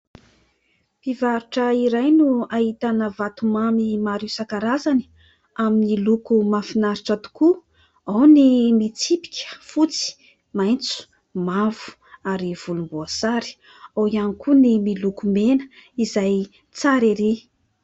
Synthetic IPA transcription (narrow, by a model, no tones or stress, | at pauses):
pivaɾuʈ͡ʂəiɾajnuaɦit̪anəvat̪umamimaɾiwsakaɾazani̥ | aminilukumafinaɾiʈ͡ʂat̪u̥ku | awnimit͡sipi̥kʲə̥fut͡si̥ | majnt͡su̥ | mavu̥ | aɾiv̥ulumbuasaɾi̥ | awianikunimilukumenə̥izaj | t͡saɾeɾi